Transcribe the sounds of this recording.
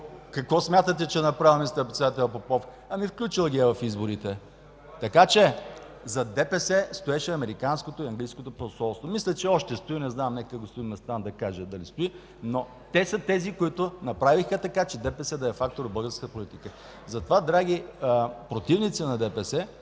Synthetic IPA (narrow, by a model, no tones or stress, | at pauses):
kɐkvɔsmʲjat̪ət̪ɛt͡ʃɛnɐpɾavilˠmist̪əɾpɾɛt̪sɛd̪at̪ɛlʲˠɐpopɔf | ɐmifklʲut͡ʃilˠəɡʲiɛvɐfizboɾit̪ɛ | t̪ɐkat͡ʃɛ | zɐd̪ɛpɛsɛst̪oɛʃɛɐmɛɾikanskot̪oiɐŋɡlijskot̪oposɔlˠst̪vomislʲɛt͡ʃɛɔʃt̪ɛst̪oinɛznamnɛkkəɡost̪oʊimɛst̪and̪ɐkaʒəd̪ɐlist̪oi | no | t̪ɛsət̪ɛzikoit̪ʊnɐpɾavixət̪ɐkat͡ʃɛd̪ɛpɛsɛd̪ɐɛfak̚t̪oɾobɤlˠɡəɾskət̪əpolit̪ikə | zɐt̪ovad̪ɾaɡ̟iəpɾot̪ivnit̪sənɐd̪ɛpɛsɛ